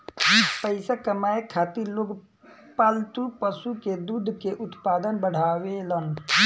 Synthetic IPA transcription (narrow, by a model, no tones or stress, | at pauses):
d͡ʒipəɪsakəmaːekʰaːt̪iɾloɡ | paːlt̪upəsuked̪uːd̪ʱkeʔʊt̪paːd̪ənbəɽ̤aːʋelən